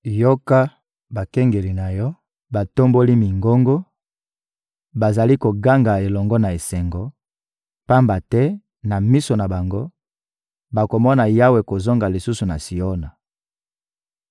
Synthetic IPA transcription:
jo˦ka˦ | ba˨kɛ˦ŋɡe˨li˨na˨jɔ˦ | ba˨to˦mbo˦li˦mi˨ŋɡo˦ŋɡo˦ | ba˨za˨li˦ko˨ɡa˦ŋɡa˨e˨lɔ˨ŋɡɔ˦na˨e˨sɛ˨ŋɡɔ˨ | pa˦mba˨tɛ˦ | na˨mi˦so˨na˨ba˨ŋɡo˦ | ba˨ko˨mɔ˦na˨ja˦we˨ko˨zo˦ŋɡa˨li˨su˦su˨na˨si˨o˦na˨

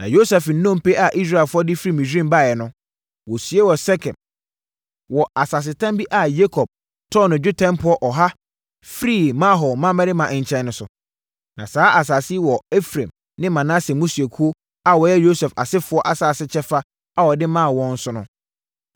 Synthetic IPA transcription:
nã˨jo˦sɛ˨fn̩˦nõ˦m˨pe˦a˨ʔi˦s̬ɾa˦˨lfʊ˦ɔ˦dɪ˦fɾi˦˨mĩ˨sᶣɾĩ˦mba˦˨jɛ˨nʊ̃˦ | wɔ˨sɥe˦wɔ˨sɛ˦kʰɛ̃˨m | wɔ˨a˨sa˨s̬ɪ˨tʰã˦mbi˦ʔa˨je˦kʰɔ˨b̥̚ | tʰɔ˦nʊ̃˨d͡ʑᶣʊ˦tʰɛ̃˦mpʰʊ˨˦ɔ˦ʔɔ˨ɦa˦ | fɾi˦˨mã˦ɦɔ˨mã˦mɛ̃˦dɪ˦mã˨ʔɪ̃˨ɲ˨t͡ɕʰɛ̃˦nːʊ̃˦sʊ˨ | nã˨saː˦ʔa˨s̬a˨sɪ˦wɔ˨e˦fɾḛ̃˨m | nɪ̃˦mã˨nã˦sɛ˨mũ˦si˨e˨kʰu˦o˦ | a˨wɔ˨jɛ˦jo˦sɛ˨fa̰˨sɪ˦fʊ˦ɔ˦ʔa˨saː˨sɪ˦t͡ɕʰɛ˦fa˦ | a˨wɔ˨dɪ˦mãː˦˨wɔ̃˦n̩˦sʊ˦nʊ̃˦

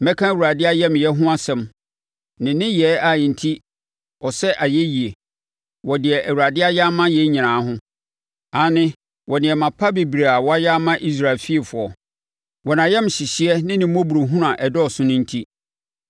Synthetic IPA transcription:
mɛ̃˦kʰã˦æ˨wu˨ɾa˨dɪ˦a˦jɛ˦m˨jɛ˦ɦʊ̃˦a˦sɛ̃˨m | nɪ̃˨nɪ̃˦jɛ˦a˨n̩˨tʰi˦ | ɔ˨sɛ˦ʔa˨jɛ˦ji˨e˨ | wɔ˨dɪ˨ɛ˨ʔæ˨wu˨ɾa˨dɪ˦a˦ja˦mã˦jɛ˦ɲĩ˨nãː˨˦ɦʊ̃˦ | ã˨˦nɪ̃˦ | wʔɔ˨nɪ̃˨ɛ˨mã˨pʰa˦be˨bɾe˨a˨wɔ˦a˦ja˦mã˦ʔi˦s̬ɾa˨lfi˦e˨fʊ˨ɔ˨ | wɔ˨nã˨jɛ˦m˨ɕi˨ɕi˦ɛ˦nɪ̃˦nɪ̃˨m˦o˦bu˨ɾo˨ɦũ˦ɾã˨ʔɛ˨dɔ˦˨sʊ˦nʊ̃˦n̩˦tʰi˦

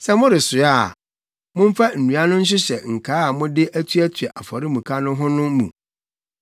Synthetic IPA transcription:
sɛ˦mʊ̃˦ɾɪ˨sʊ˨a˦˨ | mʊ̃˦m̩˦fa˦n̩˨nũ˨˦a˦nʊ̃˦n̩˦ɕ̬ɪ˦ɕɛ˨ŋ̩˨kʰaː˨˦a˨mʊ̃˦dɪ˦ʔæ˦tʰɥæ˦tʰɥɛ˨ʔa˨fɔ˨ɾi˦mũ˨kʰa˦nʊ̃˦ɦʊ̃˦nʊ̃˦mṵ̃˨

